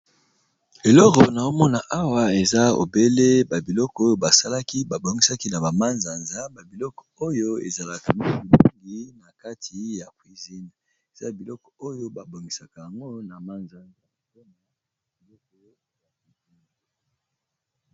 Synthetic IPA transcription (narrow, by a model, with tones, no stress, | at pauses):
e˨lɔ˦kɔ˨na˨o˦mɔ˦na˨ʔa˦wa˦e˨za˦o̰˨be˦le˦ba˨bi˨lɔ˦kɔ˨˦o˦jo˦ba˨sa˦la˦ki˦ba˨bo˨ŋɡi˦sa˦ki˦na˨ba˨ma˦nza˨nza˦ba˨bi˨lɔ˦kɔ̥˨o˦jo˦ḛ˨za˨la˨ka˨ni˦bi˨lu˦ŋɡi˦na˨ka˦tʰi˨ja˨kwi˨zi˦n | e˨za˦bi˨lɔ˦kɔ̥˨o˦jo˦ba˨bo˨ŋɡi˨sa˨ka˨ja˨ŋɡo˦na˨ma˦nza˨nza˨zo˦ma˨ | bi˨lɔ˦kɔ˨a˨i˦i˦˨ŋ